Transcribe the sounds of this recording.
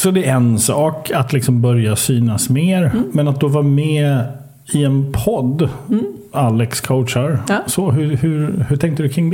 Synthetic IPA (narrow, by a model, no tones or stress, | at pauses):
sɔd̪ɛɛnsɑːkat̪lɪksɔmbœɾjasyːnasmeːɾmɛnat̪̚d̪ɔvɑːmɛː | ɪɛnpʰɔd̪ː | alːɛkskʰoʊtʂaɾsɔɦɵhɵɾhɵʈʰɛŋkt̪əd̪ɵkʰɾɪŋːd̪